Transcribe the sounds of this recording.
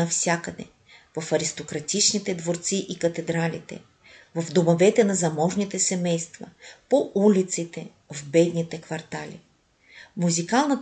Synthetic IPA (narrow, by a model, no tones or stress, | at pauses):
ɐfsʲjakəd̪ɛ̰ | vɐfɐɾist̪okɾɐt̪it͡ʃnit̪ɛd̪voɾt̪siʔikɐt̪ɛd̪ɾalit̪ɛ̰ | vɐvd̪omovɛt̪ɛnɐzɐmɔʒnit̪ɛsɛmɛjst̪vɐ̰poʔulit̪sit̪ɛ | vbɛd̪nit̪ɛkvɐɾt̪alʲḭ | muzikalˠnɐt̪